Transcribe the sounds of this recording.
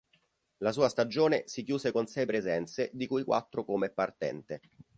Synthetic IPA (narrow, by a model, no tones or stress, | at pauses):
lasuːast̪ad͡ʒoːnesikjuːsekonsɛjpɾezɛnt̪sed̪ikujkwʔa̰t̪ːɾokomeɛpːart̪ɛ̰nt̪e